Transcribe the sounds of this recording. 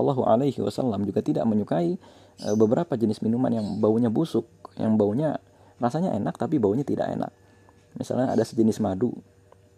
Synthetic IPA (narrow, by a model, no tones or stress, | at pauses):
lːaɦuʕa̰lajɦiwa̰sa̰lːamd͡ʒuɡat̪ida̰ʔməɲukai | ʔəbəbəɾʔapad͡ʒənɪsminuma̰njaŋbauɲabusʊk̚ja̰ŋbauɲa | rasaɲa̰ʔenak̚t̪apibauɲat̪ida̰ʔḛnʔa̰k̚ | misa̰lɲaa̰dasə̥d͡ʒənɪsmadṵ